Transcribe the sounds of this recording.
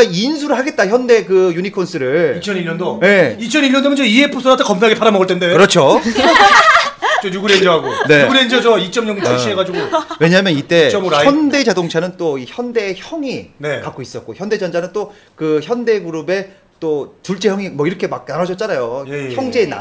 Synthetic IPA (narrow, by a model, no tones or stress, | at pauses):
ains̬ʰuɾɯɭhaɡe̞t̚t͈açjʌnde̞kɯjunikʰonsʰɯɾɯɭit͡ɕʰʌniɭːʌndoje̞it͡ɕʰʌniʎːʌndomɯnd͡ʑʌiepʰosʰoɾatʰekʌmpʰeaɡepʰaɾamʌɡʌɭtʰende̞kɯɾʌt͡ɕʰo | ojuɡuɾend͡ʑʌɦaɡone̞ɡuɾend͡ʑʌd͡ʑʌit͡ɕ͈ʰʌmɲoŋt͡ɕaɕʰieɡad͡ʑiɡoweɲaɦamjʌnit͈e̞ʌmɾçʌnde̞d͡ʑadoŋt͡ɕʰanɯnt͈oiçjʌnde̞çʌŋinekak͈̚ois͈ʌt̚k͈oçjʌnde̞d͡ʑʌnd͡ʑanɯnt͈o | kɯçjʌnde̞ɡuɾube̞ | t͈ot͡ɕuɭt͡ɕ͈eçjʌŋimʌiɾʌkʰe̞mak̚nanʌɕʌt̚t͡ɕ͈anajoçjʌŋd͡ʑe̞na̰